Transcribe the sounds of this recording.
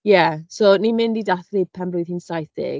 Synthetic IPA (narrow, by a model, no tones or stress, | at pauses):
jɛsonimɪndidaθlipʰanblʊjðhiːnsajθɪ̰ɡ